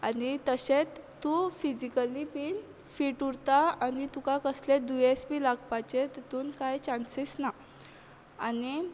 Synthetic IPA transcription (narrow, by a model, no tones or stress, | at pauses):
anit̪əɕet͡st̪ːufid͡ʑikəlipiːn | fiːʈuɽt̪aanit̪ukakəsled̪ujespiːlaɡpajt͡ɕet̪et̪uːnkajt͡ɕansisna | ani